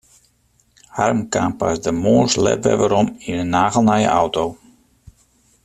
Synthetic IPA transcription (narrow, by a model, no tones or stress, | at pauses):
harmkaːmpasdəmoːslɛ̰tʋɛ̰ʋaɾɔminənːaːɣəl̩ˠnajə̰ʔawtow